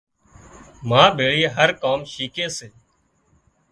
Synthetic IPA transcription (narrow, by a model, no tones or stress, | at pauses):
mãːbʱeːɭiːɦəɾkaːmʃiːkẽːseː